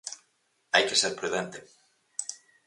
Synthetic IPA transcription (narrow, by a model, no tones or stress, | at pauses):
ajkeseɾpɾuðent̪e